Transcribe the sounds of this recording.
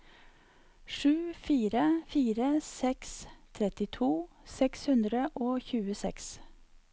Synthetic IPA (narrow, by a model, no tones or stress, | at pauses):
ʂʉːfiːɾəfiːɾəsɛkst̪ʰɾɛt̪ɪt̪ʰuː | sɛkshʉnd̪ɾəʔoːçʉːəsɛ̰ks